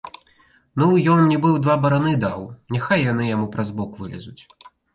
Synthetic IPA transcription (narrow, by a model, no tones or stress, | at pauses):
nujɔnnʲibɨwd̪vabɐɾanɨd̪awnʲaxajːan̪ɨjamupɾɐzbɔkvɨlʲɛ̰zut͡sʲ